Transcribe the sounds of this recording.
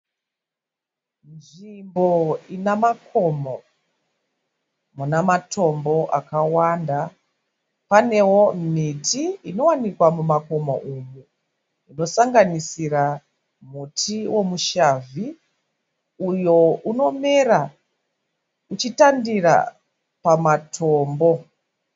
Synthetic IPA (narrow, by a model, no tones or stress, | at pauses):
nʐimbo̞inamakʰo̞mo | munamatʰo̞mbo̞ʔakawanda | pane̞wo̞mitʰiino̞wanikwamumako̞mo̰ʔumu | uno̞saŋɡanisira | mutʰiwo̞muʃavi | ujo̞uno̞meɾa | ut͡ʃitandira̰ | pamatʰo̞ːmbo̞